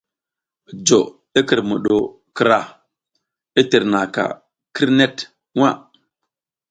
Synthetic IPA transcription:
d͡ʒo˨ | i˦ki˨ɾmu˨ɗo˨ | ki˨ɾa˦˨ | i˦ti˨ɾna˨ka̰˨ | ki˦ɾne˦t | wa˦˨

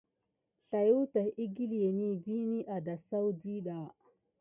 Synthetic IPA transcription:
ɬa˨ju˦ta˨hi˦ɡi˦lje˨ni˦bi˦ni˦ʔa˨da˨sa˦wdi˦ɗa˨

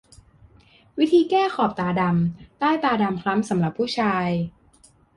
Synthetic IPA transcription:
wi˦˥t̪ʰiː˧kɛː˥˩xʰɔː˨˩p̚t̪aː˧da˧mt̪aː˥˩jt̪aː˧da˧mkʰla˦˥msa˩˦mɾa˨˩pʰːuː˥˩t͡ɕʰaː˧j

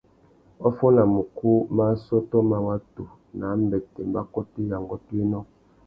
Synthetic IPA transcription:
o˦fo˦na˨mo˨ku˦ma˦so˦to˦ma˨wa˦tu˨ | na˨˦m˦bɛ˨te˨mba˦ko˦ti˦ja˨ŋɡo˦ti˦nɔ˦

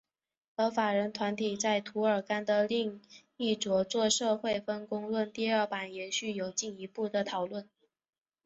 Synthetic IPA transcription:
ɤ˧˥fa˨˩ɻə˧˥nt̪ʰwa˧˥nt̪ʰi˨˩t͡sa˥˩ɪt̪ʰu˧˥ə˞˨˩ka˥nd̪ə˨li˥˧ŋni˥˩ʈ͡ʂwɔ˧˥t͡swɔ˥˧ʂɤ˥˧xwe˥˩ɪfə˥nkʊ˥ŋlwə˥˧nt̪i˥˧ə˞˥˩pa˨˩njɛ˧˥nɕy˥˩jo˨˩ʊt͡ɕi˥˩ni˧˥pu˥˩d̪ə˩t̪ʰɑ˨˩ʊlwə˥˩n

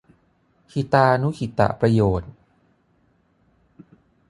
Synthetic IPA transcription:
kʰi˨˩t̪aː˧ʔa˧nu˦˥kʰi˨˩t̪a̰˨˩ʔpɾa˧joː˨˩t̪̚

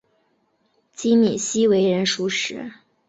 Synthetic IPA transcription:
t͡ɕi˥ni˨˩ɕi˥we˧˥ɪɻə˧˥nʂu˧˥ʂɻ̩˧˥

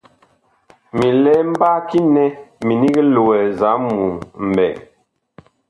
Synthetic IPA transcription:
mi˨lɛ˦m̩˦ba˦ki˦nɛ˦mi˨ni˦ɡi˦lo˨wɛ˨za˨˦mu˨m̩˨bɛ̰˨ŋ

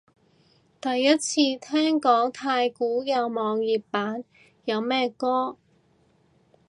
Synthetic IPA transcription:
t̪ɐ˨jːɐ˥t̚t͡sʰiː˧t̪ʰɛː˥ŋkɔː˨˥ŋt̪ʰaː˧jkuː˨˥jɐ˨˧wmɔː˨˧ŋjiː˨ppaː˨˥n | jɐ˨˧wmɛː˥kɔː˥

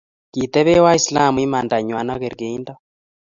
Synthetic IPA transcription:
ki˨t̪ɛ˦βɛ˦wa˦i˨sla˦˨mu˨i˦ma˨nda˨ɲwa˨na˦kɛ˨ɾɡe˨i˦nda˦

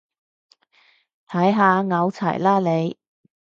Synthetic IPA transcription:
t̪ʰɐ˨˥jɦaː˨˧ŋɐ˨˧wt͡sʰɐ̰˨˩jlaː˥le˨˧j

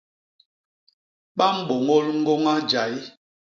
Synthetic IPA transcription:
ɓa˦m̩˦ɓo˨ŋo˦lŋ̩˦ɡo˦ŋa˦d͡ʒa˨j

